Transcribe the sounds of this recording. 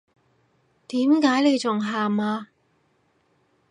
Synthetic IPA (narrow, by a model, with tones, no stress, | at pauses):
t̪iː˨˥mkaː˨˧˥jne˨˧jt͡sʊ˨ŋɦaː˨maː˧